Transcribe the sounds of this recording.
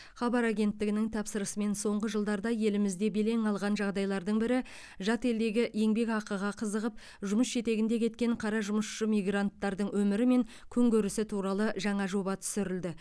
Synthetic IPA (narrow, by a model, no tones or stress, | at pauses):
χɑbɑɾaɡʲe̞nt̪ːɪɡʲɪnɪŋt̪ʰɑpsəɾəsəme̞nso̞ɴʁəʒəlˠd̪ɑɾd̪ɑje̞lɪmɪzd̪e̞be̞le̞ŋɑlˠʁɑnʒɑʁd̪ɑjlˠɑɾd̪əɴbɪɾɪ | ʒɑt̪e̞ld̪e̞ɡʲɪje̞ŋbe̞kɑqəʁɑqʰəzəʁəp̚ | ʒʊməsʒe̞t̪e̞ɡʲɪnd̪e̞kʲʰe̞t̪kʲe̞ɴqʰɑɾɑʒʊməsʃəmijɡrant̪ːɑɾd̪əɴwɵmɪɾɪme̞ŋkʲʰɵŋɡʲɵɾɪsɪt̪ʰuɾɑlˠəʒɑɴɑʒo̞bɑt̪ʰʏ̥sɪɾɪld̪ɪ